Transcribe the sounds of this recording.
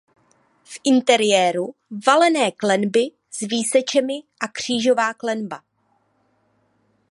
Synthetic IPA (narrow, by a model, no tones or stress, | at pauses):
fʔɪnt̪ɛɾɪjɛːɾuvalɛnɛːklɛnbɪ | zviːsɛt͡ʃɛmɪʔakr̝̥iːʒo̞vaːklɛnba